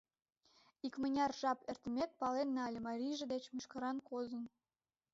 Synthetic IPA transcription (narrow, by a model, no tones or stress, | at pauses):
ikmə̆nʲɑrʒɑpert̪əmʲek̪̚pɑlenːɑlʲəmɑɾʲijʒĕd̪et͡ɕmuʃkəɾɑnkozən